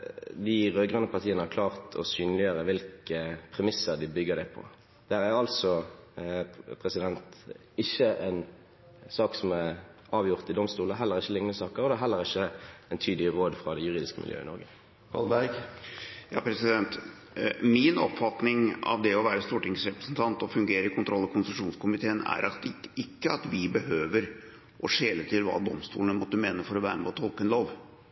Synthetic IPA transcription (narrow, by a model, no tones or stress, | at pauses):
d̪ɪʁøːɡʁœnːəpʰɑʁt̪ʰiːənəhɑkʰlɑːʁt̪ʰɔ̰syːnəlɪjøːɾəʋɪlkəpʰɾɛmɪsəʁd̪ɪbʏɡːəd̪æpʰɔ̰ | d̪̥æɾæɾɑlsɔ | pʰʁɛsɪd̪ɛnt̪ | ɪçːəɛn | sɑːksɔmæʁ | ɑːʋjʊʁt̪ɪd̪ɔmst̪uːləɦɛlːəʁɪçːəlɪŋnəsɑːkəɾɔd̪ɛɦɛlːəʁɪçːəɛnt̪ʰyːd̪lɪʁoːd̪fʁɑd̪ɛjʉɾʁiːd̪ɪskəmɪ̰ljø̰ːɪ̰nɔ̰ɾɡə | kʰɑ̰lbæɾɡ | jɑ̰ːpʰɾɛsɪd̪ɛnt̪ | mɪnɔ̰pfɑt̪nɪŋɑ̰ʋd̪ɛɔʋæːɾəst̪uːʈɪŋsɾɛpɾə̥snt̪ʰɑnt̪ɔfʉŋɡeːɾəɾɪkʰʊnt̪ɾɔlːɑkʊnsəʂuːnskʊmɪt̪ʰeːənæ̰ɾɑt̪ɪkːəɑt̪ʋɪbəhøːʋəɾ | ʔɔʂeːlət̪ʰɪlʋɑ̰ːd̪ɔmst̪ṵːlnəmɔt̪ːəmeːnəfɔɾɔʋæ̰ːɾəmɛuːt̪ʰːɔlkənloːʋ